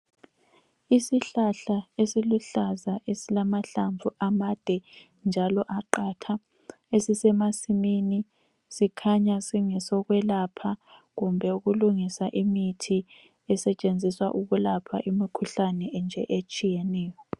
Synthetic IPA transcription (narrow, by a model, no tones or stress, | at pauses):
isiɬaɬaesiluɬazaʔesilamaɬaɱvʱuʔamad̥ʱɛ | nd͡ʒʱalɔʔaǃatʰa | esisɛmasimini | sikʰaɲasiŋɛsɔɣwɛlapʰaɣumbʱɛuɣuluŋisaʔimitʰi | ɛsɛt͡ʃʼend͡zʱiswa̰ʔuɣulapʰa̰ʔimikʰuɬanɛʔɛnd͡ʒʱɛ̰ʔet͡ʃʼijɛnɛːjɔ